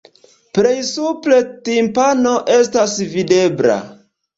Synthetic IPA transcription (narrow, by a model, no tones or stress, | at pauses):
pɾejsuple̞timpano̞ʔe̞stasvide̞bɾa̰